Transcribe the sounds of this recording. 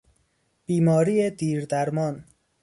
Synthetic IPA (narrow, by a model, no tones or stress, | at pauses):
b̥iːmɒːɾiːed̪iːɾd̪æɾmɒːn